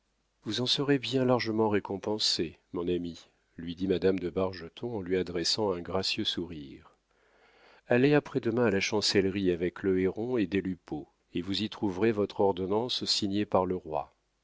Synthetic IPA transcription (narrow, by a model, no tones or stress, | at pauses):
vuzɑ̃səʁebjɛ̃laʁʒəmɑ̃ʁekɔ̃pɑ̃semɔ̃nami | lɥid̪imad̪amd̪əbaʁʒət̪ʰɔ̃ɑ̃lɥiad̪ʁɛsɑ̃ɛ̃ɡʁasjøsuʁiːʁ | aleapχɛd̪əmɛ̃alaʃɑ̃sɛlʁiavɛkləeʁɔ̃ed̪elypo | evuzit̪χuvʁevɔt̪χɔʁd̪ɔnɑ̃sːiɲepaʁləʁwa̰